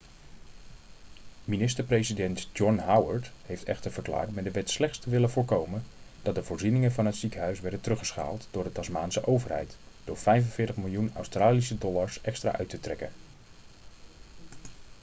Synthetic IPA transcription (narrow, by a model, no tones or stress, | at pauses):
minɪstəɹprejzidɛntd͡ʒɔnɦawəɹthejftʰɛ̰χtəɹvəɹkla̰ːɹtmɛdəʋɛtslɛχtstəʋɪləvʊːɹkowmənd̥ɑt̚dəvʊːɹzinɪŋənvɑnɦətsikəɦœɥsʋɛɹdəntərɵχəsχa̰ːlˠtd̥ʊːɹdətɑsmaːnsəʔowvəɹɦɛ̰jtd̥ʊːɹvɛjvənvɪːɹtəχmɪlˠjunœ̰wstraːlisədɔlaɹsɛkstra̰ːʔœɥtətrɛkən